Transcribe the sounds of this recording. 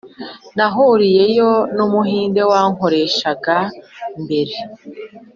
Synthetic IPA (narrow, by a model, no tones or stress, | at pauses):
naɦuɾije̞jo̞numuɦiːnde̞waːŋho̞ɾe̞ʃaɡambe̞ɾe